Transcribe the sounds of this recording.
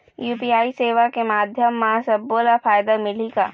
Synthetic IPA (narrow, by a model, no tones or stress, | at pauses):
juːpiːaːiseːʋakemaːd̪ʱjəmːɐsɐbːoːlafaːjd̪amɪliɡa̰ː